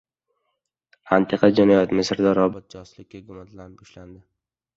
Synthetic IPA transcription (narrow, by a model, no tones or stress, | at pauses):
ant̪ʰɪqʰad͡ʒanajɒt̪mɪsɪɾd̪ɒɾɒbɒt̪̚d͡ʒɒslɪkʲːaɡʊmat̪lanb̚bɒʃland̪ɪ